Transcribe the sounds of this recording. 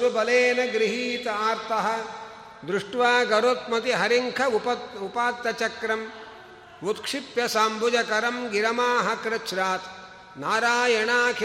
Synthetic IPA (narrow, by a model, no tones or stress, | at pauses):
ubɐleːnɐɡɾiɦiːt̪ɐaːɾt̪ʰɐɦɐ̆ | d̪ɾuʂʈʋaːɡɐɾot̪̚mɐt̪iɦɐɾiŋkʰɐpɐupaːt̪ːɐt͡ʃɐkɾɐm | ʋut̪kʂipjɐsaːmbud͡ʒɐkɐɾɐmɡiɾɐmaːɦɐkɾɐt͡ʃɾaːt̪ | naːɾaːjɐɳaːkʰ